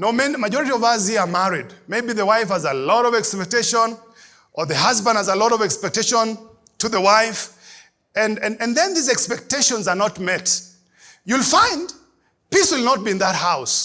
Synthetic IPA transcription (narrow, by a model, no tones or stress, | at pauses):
noʊmɛnimaɪd͡ʒɔɹɨɾiɔvʌshiamæɹidmeɪbiðəwaɪfhəzəlɔɾɔvɛkspɛk̚teɪʃə̃n | ʔə˞ðɨhʌzbə̃ndhazəlɔɾɔvɛkspɛk̚teɪʃə̃n | tʰɨðəwaɪf | ɨ̃nɨ̃nɨ̃nðɛ̃nðizɛkspɛk̚teɪʃə̃nzənɔtmɛt | julˠfãɪ̃nd | piswɪlˠnɔt̚biɨ̃nðət̚haʊs